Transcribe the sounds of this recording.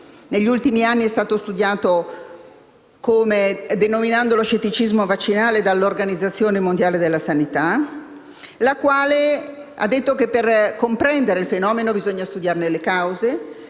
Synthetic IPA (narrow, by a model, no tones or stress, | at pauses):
neʎːult̪imianːiɛst̪aːt̪ost̪ud̪jaːt̪o | komed̪enominand̪oloʃːet̪ːit͡ʃizmovat͡ʃːinaːled̪alːorɡanid̪zːat̪sːjoːnemond̪jaːled̪elːasanit̪a | lakwaːlea̰d̪ːet̪ːokepːerkompɾɛnd̪eɾeilfenɔːmenobizoɲːast̪ud̪jarnelekawze